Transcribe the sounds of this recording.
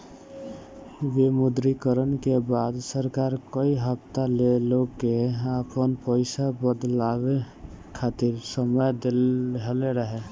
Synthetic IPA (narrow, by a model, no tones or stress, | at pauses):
ʋemʊd̪ɾikəɾənkebaːd̪səɾkaːɾkəiɦəpt̪aleloɡkeapənpəɪsabəd̪laːwe | kʰaːt̪ɪɾsəməjd̪elɦəleɾəɦe